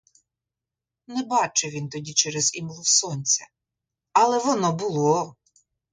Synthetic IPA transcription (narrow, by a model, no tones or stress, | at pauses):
nɛbɑt͡ʃɛʋʲint̪ɔdʲit͡ʃɛɾɛzimlˠɔwsɔnʲt͡sʲɛ | ɐlˠɛʋɔnɔbʊlˠɔ